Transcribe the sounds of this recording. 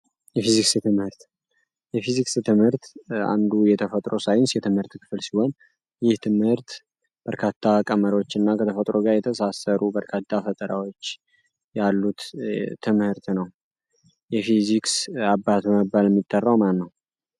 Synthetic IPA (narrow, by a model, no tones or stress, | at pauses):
jɛfiziksɨt̪ʰɨmhɨɾt̪ | jɛfizikst̪ʰɨmhɨɾt̪a̰nd̪ujɛt̪ʰəfət̪ʼɾo̞sajɪnsjɛt̪ʰɨmhɨɾt̪kʰɨ̥fɨlsiho̞n | jɪht̪ʰɨmhɨɾt̪ | b̥əɾkʰat̪ʰːakʼəməɾot͡ʃːɪnːakʰət̪ʰəfət̪ʼɾoɡaɾjɛt̪ʰəsasəɾubəɾkʰat̪ʰːafət̪ʼəɾawot͡ʃː | jalːut̪t̪ʰːɨmhɨɾt̪nəw | jɛfiziksabːat̪bəməbːaljɛmːit̪ʼːərːawmanːəw